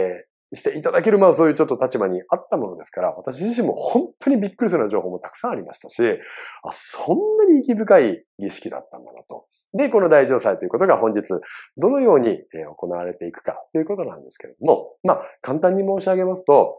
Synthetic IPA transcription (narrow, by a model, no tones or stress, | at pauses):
ɕi̥t̪e̞it̪ad̪akeɾɯ̟mas̬o̞ːjɯ̟ːt͡ɕot̪ːot̪at͡ɕibaɲ̟iat̪ːamo̞no̞d̪e̞sɨ̥kaɾa̰βat̪aɕ̬iʑiɕ̬ĩmːo̞̰hõ̞nt̪ʰːo̞ɲ̟ibʲikːɯɾis̬ɨɾɯnoʑo̞ːɦo̞ːmot̪ḁkɯ̥sãɰ̃aɾʲimaɕi̥t̪aɕia̰sõ̞nːaɲ̟iːkʲibɯ̟kai | ɡʲiɕi̥kʲid̪a̰t̪ːa̰nd̪a̰not̪o̞ | ne̞ko̞no̞d̪aiʑo̞ːsait̪o̞jɯ̟ko̞t̪o̞ɡaɦõɲ̟d͡ʑit͡sɨd̪o̞no̞jo̞ːɲ̟ieo̞ko̞naβaɾe̞t̪e̞ikɯ̟̥ka̰t̪ːo̞jɯ̟ko̞t̪o̞nã̰nd̪e̞sɨ̥keɾe̞̰d̪omo̞̰makãnt̪ãɲ̟ːimo̞ːɕiaɡe̞masɨ̥t̪o̞